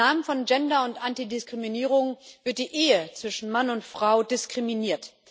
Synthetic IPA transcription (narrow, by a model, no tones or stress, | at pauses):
aːmənfɔnd͡ʒɛndɐʊntʔantidɪskʁ̥iminiːʁ̞ʊŋvɪɐt̚d̥iːʔeːət͡sv̥ɪʃn̩manʊntfʁ̥aʊdɪskʁ̥iminiːɐt